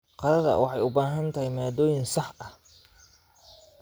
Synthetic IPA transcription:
qɑɾɐðɐ̰wɑ̰ħɑjʊbaːɦɐnt̪ʰɐhɪjmaːd̪ɔːjɪnsɑħɐh

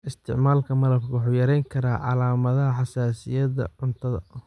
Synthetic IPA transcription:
ʔɪst̪ʰɪ̰ʕmaːlkʰɐmɐlɐb̚kʰɐwʊħuːjɐɾɛjŋkʰɐɾaːʕɑ̰laːmɐðɐɦɐħɑsaːsɪjɐðɐ̰ʕʊnt̪ʰɐðɐ̰

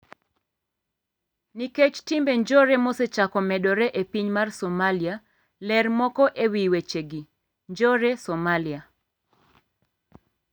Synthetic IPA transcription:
niket͡ʃtimbeɲd͡ʒɔɾemoset͡ʃakɔmɛɗɔɾɛʔepiɲmarsɔmalia | lɛrmɔkɔʔewiwet͡ʃeɡi | ɲd͡ʒɔɾesɔmalia

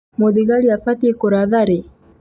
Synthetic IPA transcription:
moðiɣaliafat̪iekoɾaðaɾe

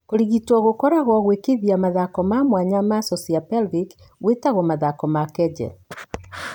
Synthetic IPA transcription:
koɾiɣitwɔɣokɔɾaɣɔɣwekeðiamaðakɔmamwaɲamasɔsiapɛlbik | ɣwetaɣɔmaðakɔmakɛd͡ʒɛ̰

